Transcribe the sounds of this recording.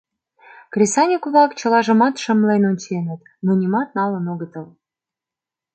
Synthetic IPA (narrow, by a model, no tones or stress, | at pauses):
krʲesɑnʲikuβɑkt͡ɕə̆lɑʒə̆mɑt̪ʃə̆mlenonʲt͡ɕenət̪ | munʲimɑt̪̚nɑlə̆noɣət̪ə̆l